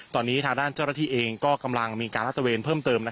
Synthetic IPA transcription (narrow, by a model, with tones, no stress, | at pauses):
t̪ɔː˧nːiː˦˥t̪ʰaː˧ŋdaː˥˩nt͡ɕaː˥˩wna˥˩t̪iː˥˩ʔeː˧ŋkɔː˥˩ka˧mla˧ŋmiː˧kaː˧nɾa˦˥t̪ʰːa˧weː˧npʰɤː˥˩mt̪ɤː˧mna˦˥